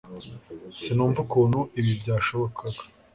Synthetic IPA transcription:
sinuːɱvukonuʔiβibɟaːʃoβokʰaɡḁ

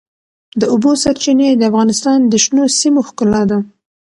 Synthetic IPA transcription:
d̪əʊbosaɾt͡ʃined̪əafɣɑnɪst̪ɑnd̪əʃnosimoxkʊlɑd̪a

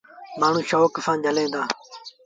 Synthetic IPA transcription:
maːɳ̤ũːʃoːkəfãːnd͡ʒəlẽːnd̪aː

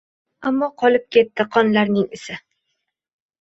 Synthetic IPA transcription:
amːɒqʰɒlɪp̚kʲe̞t̪ːɪqʰɒnlaɾnɪŋɪsɪ

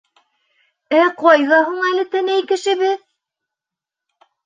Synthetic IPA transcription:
æqɒjʁɑɦuɴælɘ̆t̪ænæjkɘ̆ʃɘ̆βɘð

